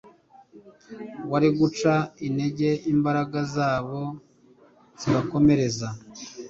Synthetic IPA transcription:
waɾiɡut͡ʃaine̞ɟe̞imbaɾaɡazaːβo̞ | z̥iβako̞me̞ɾe̞za

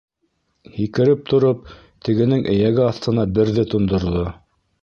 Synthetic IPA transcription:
hikɘ̆ɾɘp̚t̪ŏɾop̚ | t̪ʰɘ̆ɡɘ̆nɘŋʔɘ̆jæɡɘɑθt̪ɤ̆nɑbɘ̆ɾðɘt̪ŏnd̪ŏɾðo

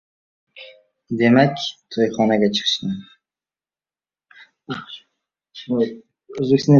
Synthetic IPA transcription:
d̪e̞makʲt̪ʰojχɒnaɡʲat͡ʃʰɨ̥qʃt̪ɪm | ɵzbeksna

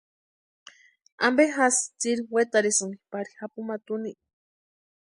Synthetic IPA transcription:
ambexast͡siɾiwet̪aɾisɨnipaɾihapumat̪uniʔ

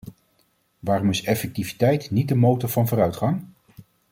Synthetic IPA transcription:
ʋaːrɔmɪsɛfɛk̚tivitɛjtnit̚dəmowtəɹvɑnvʊːɾœɥtχɑŋ

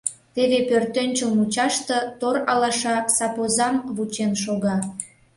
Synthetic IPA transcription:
t̪eβepørt̪ønʲt͡ɕəmut͡ɕɑʃt̪ə̆t̪oɾɑlɑʃɑsɑpozɑmβut͡ɕenʃoɣɑ

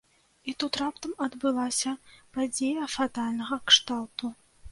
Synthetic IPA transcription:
it̪ut̪ɾapt̪ɐmɐd̪bɨlˠasʲɐpad͡zʲejɐfat̪alʲnɐɣɐkʂt̪alˠt̪u

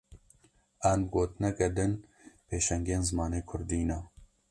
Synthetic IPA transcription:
anɡoːt̪nɛkɐd̪ɨnpʰeːʃɛŋɡeːnzɨmɑːneːkʰʊɾd̪iːna

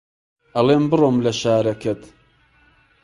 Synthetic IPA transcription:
ʔɐleːmbɨroːmlɐʃaːɾɐkɐt̪

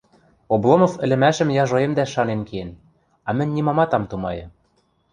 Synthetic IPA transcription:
oblˠomŏfɘ̆lɘ̆mæʃɘ̆mjɑʒŏemd̪æʃɑnenkien | ɑmɘ̆nʲːimɑmɑt̪ɑmt̪umɑjɤ̆

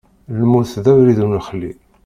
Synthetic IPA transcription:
lmuθðæwɾiðunəχlːi

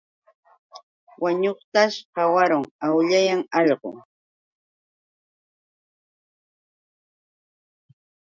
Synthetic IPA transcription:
waɲoχt̪aʃqɑwaɾʊŋawʎajaŋɑʎɢʊ̰

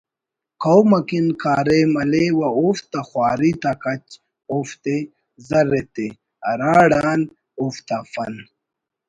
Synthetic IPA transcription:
kʰowmɐkinkʰaːɾemɐlewɐoft̪ɐxwaːɾit̪akɐt͡ɕ | oft̪e | zɐɾet̪e | ɐɾaːɽaːn | oft̪afɐn

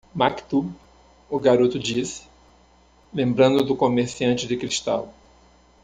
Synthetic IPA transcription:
makt̪u | ʊɡaɾut̪ʊd͡ʒisɪ̥ | lẽmbɾɐ̃nd̪ʊd̪ʊkomeɾsiɐ̃nt͡ʃɪd̪ɪkɾiʃt̪a̰w

